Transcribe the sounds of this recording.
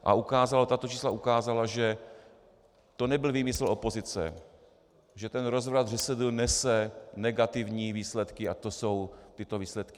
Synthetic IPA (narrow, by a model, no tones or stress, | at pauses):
ʔa̰ukaːzalt̪at̪ot͡ʃiːslaʔukaːzalaʒɛ | t̪o̞nɛbɪlviːmɪsl̩o̞po̞zɪt͡sɛ̰ | ʒɛt̪ɛnɾo̞zvɾad̪rɛsɛd̪l̩nɛsɛnɛɡat̪ɪvɲiːviːslɛt̪kɪat̪o̞so̞wt̪ɪt̪oviːslɛt̪kɪ